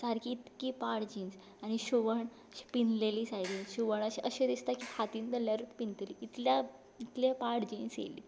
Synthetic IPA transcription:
saɾkiːt̪kiːpaɽd͡ʑins | aɽ̃iɕuʋəɳ | ɕi̥pinleliːsajdinɕuʋəɳ̃əɕeʔəɕed̪ist̪akiːkʰat̪iːnt̪əljaɾuːt̪pint̪eliit̪lja | it̪lepaɽd͡ʑinsjḛlḭː

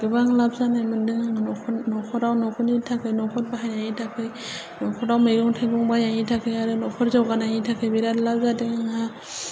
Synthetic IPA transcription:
ɡ̥ɯbaŋlap̚zanamɯndɯŋaŋnɔkʰɔnɔkʰɔɾawnɔkʰɔnitʰakʰɯjnɔkʰɔt̚baɦajaɲitʰakʰɯj | nɔkʰɔɾawmɯjɡɔŋtʰaɡɔŋbajaŋitʰakʰɯjaɾɯnɔkʰɔɾzawɡanaŋitʰakʰɯjbiɾatlazadɯŋaŋɦa

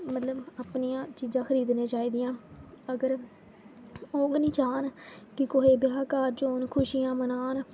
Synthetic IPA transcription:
mət̪ləbaːpniːãːt͡ʃiːzãːxʰəɾiːd̪nẽːt͡ʃaːiːd̪ɪjãːəɡəɾ | oːɡnĩːt͡ʃaːnkɪkoɦeːbjaːkaːɾd͡ʒoːnkʰʊʃijãːmənaːn

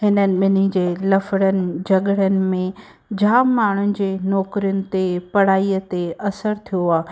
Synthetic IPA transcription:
ɦɪnənɪ̆ɓɪnid͡ʑeːlɐfəɽənɪ̆d͡ʑɐɠəɽənɪ̆mẽ | d͡ʑʱaːmːaːɳ̤ʊnɪ̆d͡ʑeːnɔːkɾijʊnɪ̆t̪epɐɽ̤aːiːət̪eɐsəɾt̪ʰijoaː

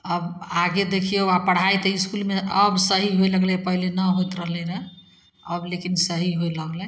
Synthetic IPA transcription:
əbaɡed̪ekʰiewapəɽ̤ajt̪əiskulmeəbsəɦiɦoeləɡlɛpəɦilenəɦojt̪ɾəɦlɛɾə | əblekinsəɦiɦojləɡlɛ

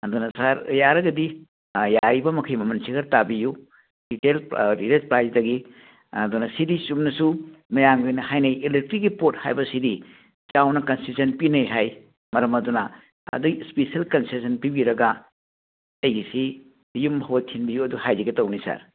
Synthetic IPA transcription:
ɐdunɐsaɾjaɾɐɡɐdi | jajbɐmɐkʰɐjmɐmɐnsʰikɐɾtabiju | d̥itelɾiɾespɾajsdɐɡi | ɐdunɐsidisumnɐsumɐjaŋɡojnɐhajnɐjelek̚tɾik̚ːɡipot̚ha̰jbɐsidi | t͡ʃawnɐkɐnsisɐnpinɐjɦaj | mɐɾɐmɐdunɐ | ɐ̰duspesiɐlkɐnsesɐnpibiɾɐɡɐ | ɐjɡisi | jumhɐwɐtʰinbijuɐduhajdiɡɐtɐwnisa̰ɾ

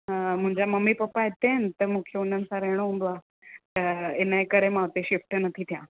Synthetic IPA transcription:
mũɦɲd͡ʑaməmipɐpaet̪ent̪əmũkʰeunən̆saɾeɽ̃oũmbʋa | əenajkəɾẽmaʋt̪eɕifʈənət̪ʰit̪ʰjã

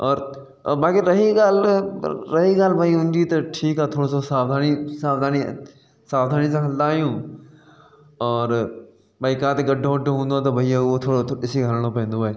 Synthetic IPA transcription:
ɔːɾ | baːkiɾɐɦiɡaːl | ɾɐɦiɡaːlbʱaːiɦũːnd̪it̪ɐʈʰiːkaːt̪ʰoːɽososaːʋd̪ʱaːnisaːʋd̪ʱaːni | saːʋd̪ʱaːnisãkʰɐld̪aːjũː | ɔːɾ | bʱaːikaːt̪eɡɐɖʱõɡəɖʱõɦũːnd̪at̪̬ɐbʱɐiaot̪ʰoːɽoɪsiɡʱəlɽ̃opɛ̃ɦnd̪obʱaː

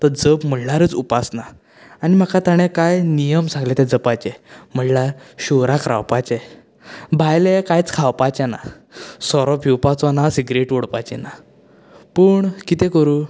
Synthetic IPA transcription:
t̪əɾd͡zəpm̤əlaɾət͡supasna | aɽ̃im̤akat̪aɽ̃ẽkajnijəmsãŋɡlẽt̪ɛ̃d͡zəpajt͡ɕɛm̤əllaɾɕuɾakɾa̰wpajt͡ɕɛ | bʱajlekajt͡skʰawpajt͡ɕɛna̰ | sɔɾɔpʰiwpat͡sɔnasiɡɾeʈoɽpajt͡ɕɛ̰na | pəːɳkit̪ɛ̃kəɾuː

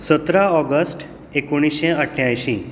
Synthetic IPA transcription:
sət̪ɾaɔɡəsʈ | ekoɽ̃iɕẽəʈʰjajɕĩ

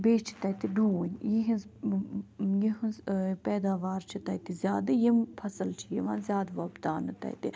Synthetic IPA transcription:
beːʃt͡ʃʰi̥t̪ɐt̪iɖuːɲʲjiɦinz | jiɦunzpɛːd̪aːʋaːɾt͡ʃʰit̪ɐt̪izʲjaːd̪ɨjimpʰɐsɐlt͡ʃʰijiʋãːnzʲaːd̪ʋɐbd̪aːnɨt̪ɐ̰jt̪i

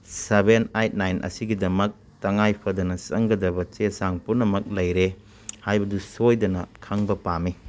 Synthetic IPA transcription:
sebenajt̚najnʔɐ̰siɡidɐmɐk̚ | tɐŋajpʰɐdɐnɐsɐŋɡɐdɐbɐt͡ʃesaŋpunɐmɐk̚lɐjɾe | hajbɐdusojdɐnɐkʰaŋbɐpami

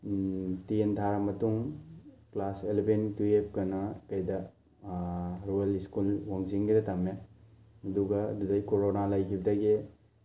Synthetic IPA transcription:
tintʰaɾamɐtuŋklaselbentuep̚kɐnɐkɐjdɐ | ɾueliskulwaŋziŋɡidɐtame | ɐduɡɐdudajkoɾonalajkʰibidaɡe

